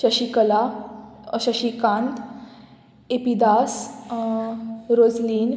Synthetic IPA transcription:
ɕəɕikəla | ɕəɕikãnt̪ | epid̪as | ɾod͡zliːn

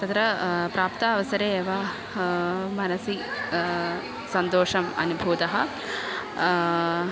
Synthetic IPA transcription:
t̪ɐt̪ɾɐpɾaːpt̪ɐːʋɐsɐɾeːʋa | mɐnɐsi | sɐnt̪oːʂɐmɐ̰nubʱuːd̪ɐɦɐ

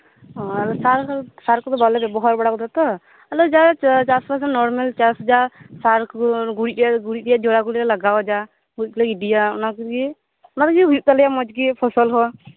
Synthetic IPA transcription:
ɦɔ̃alɔsaɾksaɾkːɔt̪ɔbalɛbɛbɔɦɔɾbɔɽakɔt̪at̪ɔ | alɔd͡ʒat͡ʃaspasɔnɔɾmɛlt͡ʃasd͡ʒasaɾkʰɡuɽiɾijaɡuɽiɾijad͡ʒɔɽaɡuɽiɾɛlaɡawd͡ʒa | ɡut̚klaiɖijaɔ̰nakɡi | ʊnat̪kɡɦujuʔ̚t̪alɛjamɔd͡ʒɡipʰɔsɔlɦɔ

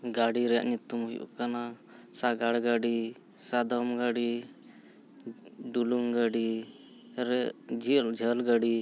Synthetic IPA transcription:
ɡaɽiɾɛja̰ʔɲut̪ːumɦujʔṵʔkanasaɡaɽɡaɽi | sad̪ɔmɡaɽi | ɖuluŋɡaɖi | ɾd͡ʒild͡ʒʱəlɡaɽi

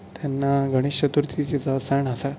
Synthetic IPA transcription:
t̪janːaɡʱəɽ̃iɕət̪uɾt̪ʰikid͡zəsaɳasa

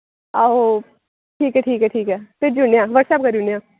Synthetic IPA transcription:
ao | ʈʰiːkɦɛːʈʰiːkɦɛʈʰiːkɦɛːp̪ɪɾd͡ʒunɖjãːʋəɾʈsɛp̚kɐɾũnijãː

